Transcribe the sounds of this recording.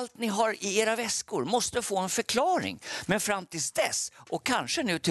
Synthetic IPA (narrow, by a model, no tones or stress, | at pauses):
lt̪nɪɦaɾɪeːɾavɛskʊɾmɔst̪əfoːɛnfœɾkʰlɑːɾɪ̰ŋmɛnfɾamːt̪ʰɪlsd̪ɛ̰sʔɔkʰːanʂənʉ̟ːt̪ʰɪ